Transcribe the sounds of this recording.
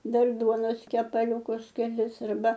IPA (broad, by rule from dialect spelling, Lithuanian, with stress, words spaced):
ˈdɐr ˈduɔnoːs kʲɛpɐˈlʲuːkʊs kʲɛˈlʲɪs ɐrˈbɐ